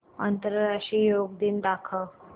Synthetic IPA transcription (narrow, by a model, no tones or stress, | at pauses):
ənt̪əɾɾaʈɾijoɡd̪iːnd̪akʰə